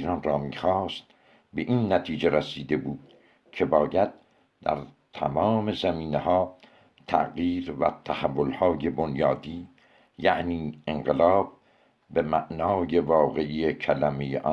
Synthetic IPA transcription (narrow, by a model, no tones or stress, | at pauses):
ɾɒnrɒːmiːxɑːst̪̚ | be̞ʔinːæt̪ʰiːd͡ʒeɾæsiːd̪e̞buːd̪̥̚ | kʰe̞bɒːjæd̪̚ | d̪̥æ̰ɾ | t̪ʰæ̰mɒːme̞zæmiːnehɒː | t̪ʰæ̰ʔɣjiːɾvæ̰t̪ʰæhævːolhɒːje̞bo̞njɒːd̪iː | jæʔniːeŋɢelɒːb̥̚ː | e̞mæʔnɒːje̞vɒːɣeʔijecʰælæmejḛʔɒ